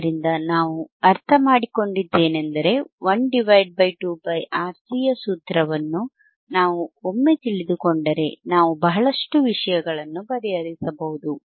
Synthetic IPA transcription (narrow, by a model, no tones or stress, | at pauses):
ɾind̪ɐnaːʋuɐɾt̪ʰɐmaːɽiko̞ɳɖid̪ːe̞ːnend̪ɐɾe̞ʋɐnɖiʋɐjɖ̚bɐjʈuːbɐjʔaːɾsijɐsuːt̪ɾɐʋɐnːu | naːʋuomːe̞t̪iɭid̪uko̞ɳɖɐɾe̞naːʋubɐɦɐɭɐʂʈuʋiʂɐjɐɡɐɭɐnːubɐɾɛjɐɾisɐbɐɦud̪u